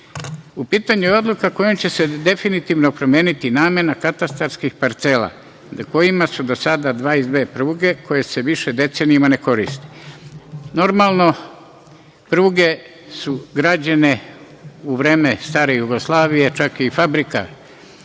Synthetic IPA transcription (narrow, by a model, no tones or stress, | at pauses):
upiːt̪aɲuɛod̪lukakojomt͡ɕe̞se̞d̪e̞finit̪iʋno̞pɾo̞mjeːnit̪inaːme̞nakat̪ast̪aɾskixpaɾt̪se̞la̰ | ako̞jimasud̪o̞sad̪ad̪ʋaːizd̪ʋe̞ːpɾuːɡe̞ko̞je̞se̞ʋiʃe̞d̪e̞t̪se̞nijimane̞ko̞ɾḭst̪i̥ | no̞ɾmalno̞ | pɾuːɡe̞ | suɡɾad͡ʑane̞ | uʋɾeːme̞st̪aːɾe̞juɡoslˠaːʋije̞t͡ʃakiːfabɾika̰